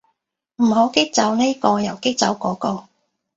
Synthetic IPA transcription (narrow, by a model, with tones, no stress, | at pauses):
m̩˨˩ɦo˨˥wkɪ˥k̚t͡sɐ˨˥wne˥kɔː˧jɐ˨˩wkɪ˥k̚t͡sɐ˨˥wkɔː˨˥kɔː˧